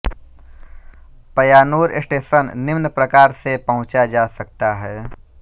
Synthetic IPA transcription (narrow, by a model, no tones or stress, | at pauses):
pɐjaːnuːɾɪ̰sʈeːʃənnɪʋnpɾɐkaːɾsepɐɦʊ̃t͡ʃad͡ʒaːsɐk̚t̪aɦɛː